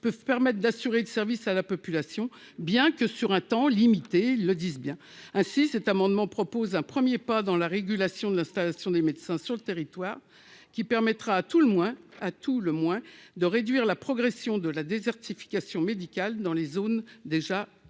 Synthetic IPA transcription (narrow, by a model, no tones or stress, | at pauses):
pœvpɛʁmɛt̪χd̪asyʁeləsɛʁvisalapɔpylasjɔ̃ | bjɛ̃kəsyʁɛ̃t̪ɑ̃limit̪eilːəd̪izbjɛ̃ | ɛ̃sisɛt̪amɑ̃d̪mɑ̃pχɔpozɛ̃pχəmjepad̪ɑ̃laʁeɡʲylasjɔ̃d̪əlɛ̃st̪alasjɔ̃d̪emed̪sɛ̃syʁlət̪eʁit̪waːʁ | kʲipɛʁmɛt̪χaːt̪uləmwɛ̃at̪ʰuləmwɛ̃d̪əʁed̪ɥiʁlapχɔɡʁesjɔ̃d̪əlad̪ezɛʁt̪ifi̥kʲasjɔ̃med̪ikʲald̪ɑ̃lezond̪eʒa